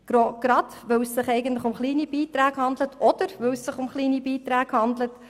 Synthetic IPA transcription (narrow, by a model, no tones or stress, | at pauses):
ɡ̥oɡ̥ɾɑd̥ | ʋœwsːɪχɛɪɡən̩t̪ləχʊmχliːnib̥iːtɾæːɡhɑndlətɔd̥̪əɾʋœwsːɪχʊmχliːnibiːtɾæːɡ̥hɑnd̪lət